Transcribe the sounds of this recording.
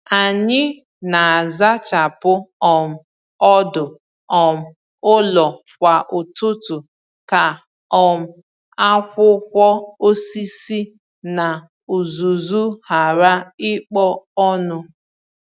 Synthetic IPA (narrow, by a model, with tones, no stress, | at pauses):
a˨ɲɪ˦ | na˨za˦t͡ʃa˨pʊ˦ɔ˨m̩˨ | ɔ˦dʊ˨ | ɔ˨m̩˨ | ʊ˦lɔ˨ | kʷa˨ʔʊ˨tʊ˦tʊ˨ | ka˨ | ɔ˨m̩˨ | a˦kʷʊ˦kʷɔ˦o˦si˦si˦ | na˨ | u˨zu˨zu˦ha˨ɾa˦ɪ˦k͡pɔ˦ɔ˦nʊ˦